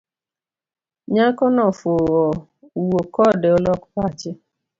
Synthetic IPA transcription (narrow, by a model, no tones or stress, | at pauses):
ɲakɔnɔfoɔ | uwokɔdeɔlɔkpat͡ʃɪ